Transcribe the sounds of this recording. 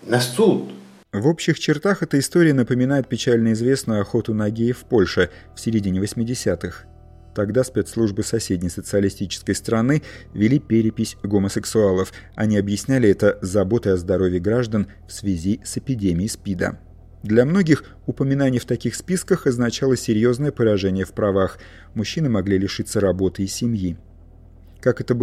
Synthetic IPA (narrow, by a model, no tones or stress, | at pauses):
nɐsut̪ | vo̞pɕːɪxt͡ɕɪrt̪axɛt̪əɪst̪o̞ɾʲɪjənəpəmʲɪnajɪt̪̚pʲɪt͡ɕælʲnəɪzvʲe̞snʊjɐxo̞t̪ʊnɐɡʲejɪfpo̞lʲʂɨ | fsʲɪɾʲɪdʲinʲɪvəsʲmʲɪdʲɪsʲat̪ɨx | t̪ɐɡd̪aspʲet̪slˠuʐbɨsɐsʲedʲnʲɪjsət̪sɨɐlʲɪsʲtʲit͡ɕɪ̥skəjst̪ɾɐnɨvʲɪlʲipʲeɾʲɪpʲɪsʲɡoməsɨksʊalˠəf | ɐ̰nʲiɐbjɪsʲnʲælʲɪɛt̪əzɐbo̞t̪əɐzd̪ɐɾo̞vʲjɪɡɾaʐd̪ən | fsvʲɪzʲisɪpʲɪdʲemʲɪjɪspʲid̪ə̰ | d̪lʲɐmno̞ɡʲɪx | ʊpəmʲɪnanʲɪjft̪ɐkʲixspʲiskəxɐznɐt͡ɕalˠəsʲɪɾʲjo̞znəjəpəɾɐʐɛnʲɪjəfpɾɐvax | mʊɕːinɨmɐɡlʲilʲɪʂɨt̪sːəɾɐbo̞t̪ɨɪsʲɪmji | kakɛt̪ə